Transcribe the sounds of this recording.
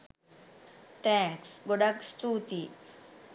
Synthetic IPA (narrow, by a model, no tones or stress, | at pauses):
t̪ɛŋksɡoɖakst̪ut̪i